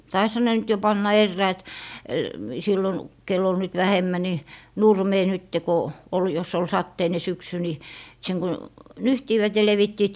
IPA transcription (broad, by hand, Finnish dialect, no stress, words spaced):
tɑishɑ ne nyt jo pɑnːɑ erːæœˑt silːon kelː ol nyt ʋæhemːæ ni nurmeː nytːe ko ol jos ol sɑtːeine syksy ni seŋ ko nyhtiːʋæt jɑ leʋitːiːt